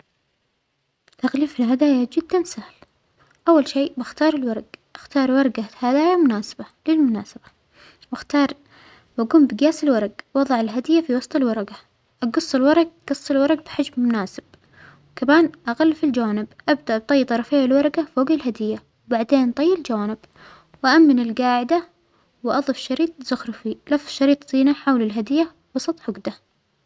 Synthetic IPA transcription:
t̪aɣliːfɪlɦad̪aːjad͡ʒɪd̪ːansahl | ʔawːalʃiːbɪxt̪ɑːɾˤɪlwɑɾˤɑɡʔaxt̪ɑːɾˤwɑɾˤɑɡahad̪aːjamʊnaːsḁbalɪlmʊnaːsab̥ḁ | wɪxt̪ɑːɾˤ | baɡuːmbɪɡjaːsɪlwɑɾˤɑɡwɑðˤɑʕɪlɦad̪ɪjːafiwɑsˤt̪ˤɨlwɑɾˤɑɡa | ʔɑɡɑsˤːɪlwɑɾˤɑɡ̚ɡ̥ɑsˤːɨlwɑɾˤɑɡ̚bħad͡ʒbmʊnaːsɪb̥̚ | wkamaːnʔaɣalːfɪld͡ʒawaːnɪbʔabd̪aʔb̚t̪ˤɑjːt̪ˤɑɾˤɑfejːalwɑɾˤɑɡafoːɡalɦad̪ɪjːa | wbaʕd̪eːnt̪ˤɑjːɪld͡ʒawaːnɪb̥ | wʔaʔamːɪnɪlɡaːʕɪd̪a | wʔɑðˤɨfʃɑɾiːt̪̚ˤz̥ʊxɾfilɑfˤʃɑɾiːt̪ˤsˤiːnaħawlɪlɦad̪ɪjːa | wɑsˤɑt̪ˤħʊɡd̪a

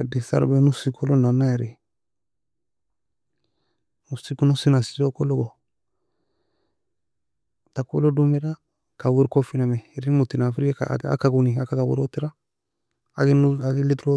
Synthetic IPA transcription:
disa̰ɾ̰bɛnusikʰolonanaɛɾi | usikunusinasi̥tokɔloɡɔ | tako̰lodumɛɾa | kawiɾkɔfinamɛɾimutinafɾika̰a̰kaɡuniakakawṵɾɔtiɾa | aɡnaɡilitɾo

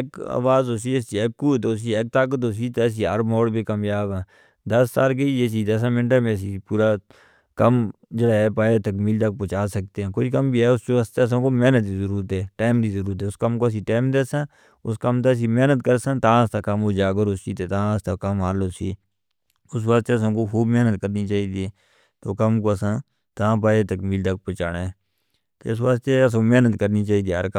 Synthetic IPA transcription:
eka̰ːʋaːzoːs̬iːesiɛːkːuːt̪oːs̬iɛːk̚t̪aːk̬ət̪oːs̬iːt̪ɛːs̬iːəɾmoːɽbikəmjaːbɛ̃ː | d̪ɐsːaːlk̬eies̬iːt̪ɛs̬ãmɪ̃ɳʈaːmẽs̬iːpuːɾa | kəmd͡ʒəɽaːɛːpaːet̪əkmiːlt̪ək̚pot͡ʃaːsək̚t̪eɦɛ̃ːkoikəmbiːɛːʊst͡ʃoəst̪ɛːs̬ãkomɛːnət̪̚d̪izəɾuːɾət̪ɦɛːʈaːmd̪iːzəɾuːɾət̪ɦɛːʊskəmkos̬iːʈaːmd̪eːsãː | ʊskəmt̪eːs̬iːmeːnət̪kəɾsãːt̪ãːəst̪aːkəmoːd͡ʒaːɡəɾoːsiːt̪eːt̪ãəst̪aːkəmɦaːloːsiː | ʊs̬ʋaːst̪eəsãːkoːxʰuːbmeːnət̪kəɾniːt͡ʃaːiːd̪iːɛː | t̪oːkəmkoːəsãː | t̪ãːp̬aːeːt̪əkmiːld̪ak̚pət͡ʃaːɽeːɛː | t̪ḛːɪs̬ʋaːst̪eəs̬ãːmɛːnət̪kəɾniːt͡ʃaːiːd̪iːəɾkə

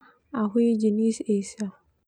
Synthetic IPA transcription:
aɦʊid͡ʒinisesa

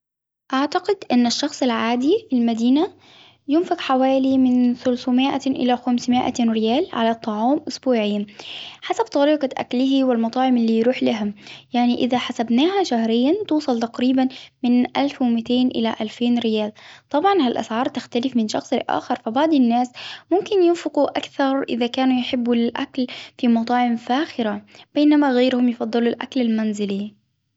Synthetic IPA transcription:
ʔaʕt̪aqɪd̪ʔɪnːaʃːɑxsˤɪlʕaːd̪ifilmad̪iːna | jʊnfɪqħawaːlimɪnθʊlsmɪʔa̰ʔɪ̰laxamsmɪʔa̰ɾɪjaːlʕa̰lat̪ˤːɑʕɑːmʔʊsbuːʕɪjːaħasab̚t̪ˤɑɾiːqɑʔa̰klɪhiwɪlmɑt̪ˤɑːʕɪmʔɪlːiːjɾuːħlaɦajaʕniʔɪðaħasabnaːhaʃahɾɪjːant̪uːsˤɑlt̪aqɾiːbanmɪnʔa̰lfwɪmɪt̪eːnʔɪ̰laʔalfeːnɾɪjaːlt̪ˤɑbʕɑnhalʔa̰sʕɑːɾˤt̪axt̪alɪfmɪnʃɑxsˤʔa̰ːxɑɾˤfabaʕd̪ˤɪnːaːsmʊmkɪnjɪnfɪquʔakθɑɾˤʔɪ̰ðakaːnujɪħɪbːulɪlʔa̰klfimɑt̪ˤɑːʕɪmfaːxɪɾab̥eːnamaɣajɾhʊmjɪfɑd̪ˤːɨlulʔa̰klalmanzɪli

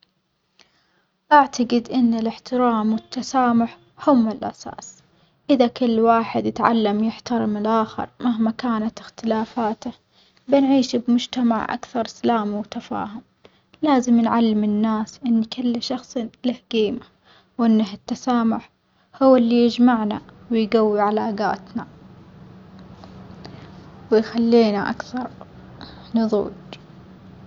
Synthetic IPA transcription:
ʔaʕt̪aɡɪd̪ʔɪnːɪlɪħt̪ɪɾaːmwɪt̪ːasaːmʊħ | hʊmːɪlʔa̰sa̰ːs | ʔɪðakɪlːwaːħɪd̪jɪt̪ʕa̰lːamjɪħt̪ɑɾɪmɪlʔaːxɪ̰ɾˤmaɦmakaːnat̪ɪxt̪ɪlaːfaːt̪a | bɪnʕiːʃbmʊd͡ʒt̪ama̰ʕʔa̰kθɑɾˤsalaːmwt̪afa̰ːɦʊm | laːzɪmnʕalːɪmɪnːaːsʔɪnːkɪlːʃɑxsˤlahɡiːma | wʔɪnːaɦɪt̪ːasaːmʊħ | hʊwːɪlːijɪd͡ʒmaʕna̰wɪjɡawːiʕalaːɡa̰ːt̪na | wɪjxalːiːnaʔa̰kθɑɾˤ | nɨðˤṵːd͡ʒ

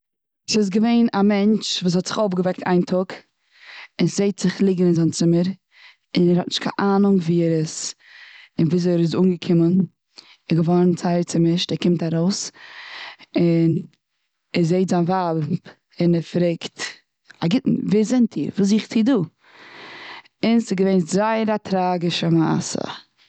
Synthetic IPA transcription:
sɪs̬ɡəveɪnamɛnt͡ʃvuːs̬hɔtz̥ɪχobɡəvɛk̚tʰa̰ɪntʰʊk | ɪnszeɪtz̥ɪχlˠɪɡənɪnzant͡sɪməɾ | ɪnɛɾhɔtnɪʃtkʰa̰ʔaːnʊŋviːɾəs | ɪnvuːs̬ɛɾɪz̬uːnɡəkʰɪmən | ɛɡəvɔɾnt͡saɪəɾt͡sɪmɪʃtɛkɪmtaɾoʊs | ɪn | ɛzeɪtzanvab | ɪnɛɾfɾeɪkt | aɡɪtn̩viːzɪntʰḭːɾvuːs̬iχt͡siduː | ɪnsɪɡəveɪnzaɪəɾatʰɾaːɡɪʃəma̰sə̰

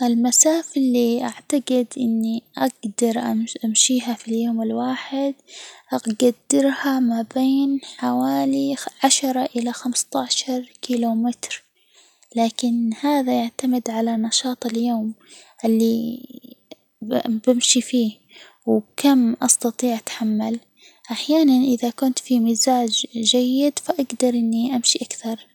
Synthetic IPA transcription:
ʔɪlmasaːfalːiʔaʕt̪aɡɪd̪ʔɪ̰nːiʔaɡd̪ɑɾˤʔa̰ʔamʃiːɦafiljoːmɪlwaːħɪd̪ʔaɡad̪ːɪɾhamabeːnħawaːliʕaʃɑɾˤɑʔɪlaxamst̪aʕʃɑɾˤkiːlomɪt̪ɾ | laːkɪnhaːðajaʕt̪amɪd̪ʕalanɑʃɑːt̪ˤɪljoːmʔɪlːi | bɪmʃifiː | wkamʔɑst̪ɑt̪ˤiːʕʔat̪ħamːal | ʔaħjaːnanʔɪðakʊnt̪fimizaːd͡ʒd͡ʒajːɪd̪faʔaɡd̪ɑɾˤʔɪnːiʔamʃiʔakθɑɾˤ

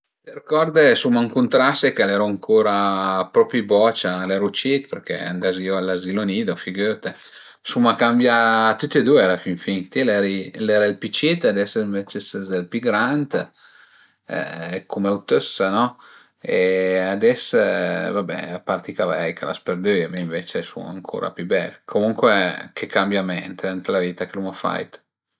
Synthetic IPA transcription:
t̪erkɔɾd̪esumaŋkunt̪ɾasekelɛɾoaŋkʰoːɾapɾɔpibɔt͡ʃalɛɾut͡ʃit̪peɾkḛa̰nd̪azioalazilonid̪ofiɡøt̪e | sumakambjat̪ut̪ːed̪ueɛɾafiɱfiŋt̪ilɛɾilɛɾailpit͡ʃit̪ad̪ɛsɱvet͡ʃesəzelpiɡɾant̪ | kʰumeut̪øsːanɔ | ead̪ɛsːvabɛ̰apart̪ikavɛjkʰala̰speɾd̪ømeiɱvet͡ʃesṵm̰a̰ŋkʰo̰ːɾʔa̰pybɛlkʰomuŋkwekʰekambjamɛnt̪ɛnt̪laviːt̪akelumafa̰jt̪

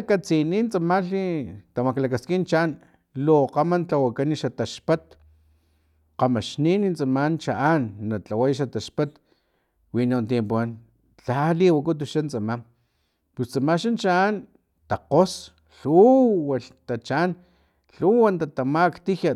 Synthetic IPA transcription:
kat͡sinint͡samaɬit̪amaklakaskint͡ʃan | loqamant͡ɬawakaniʃat̪aʃpat̪ | qamaʃninint͡samant͡ʃaʔanːat͡ɬawajʃat̪aʃpat̪ | winant̪jempuan | t͡ɬaliwakut̪̬uʃant͡samam | pust͡samaʃant͡ʃaan | t̪aqos | ɬuwaɬt̪at͡ʃan | ɬuwant̪at̪amakt̪ija

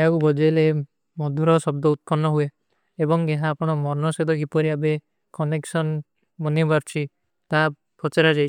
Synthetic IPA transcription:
eakubʱɔd͡ʒɔjle | mɔd̪ʱuɾɔsɔb̚d̪ɔut̪̚kɔnːɔɦue | ebɔŋɡeɦaːpɔɽ̃ɔmɔɾnɔsed̪ɔkipɔɾiabe | kɔneksɔn | unibaɾt͡ʃʰi | t̪a | pʰɔt͡ʃeɾad͡ʒajʰ

